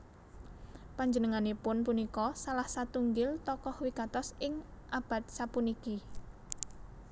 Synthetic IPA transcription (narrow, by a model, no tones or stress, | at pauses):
paɲd͡ʒənəŋanepʊnpunikɔsalahsat̪uŋɡɪlt̪ɔkɔhwikat̪ɔsɪŋʔab̥a̤t̪̚sapuniki